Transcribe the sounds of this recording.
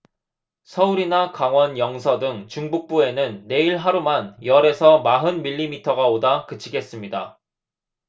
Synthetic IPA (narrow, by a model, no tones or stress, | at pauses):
sʰʌuɾinakaŋwʌnjʌŋsʰʌdɯŋt͡ɕuŋbuk̚p͈ue̞nɯnːe̞iɭɦaɾumanjʌɾe̞sʰʌmaɦɯnmiʎːimitʰʌɡaodakɯt͡ɕʰiɡe̞s͈ɯmɲida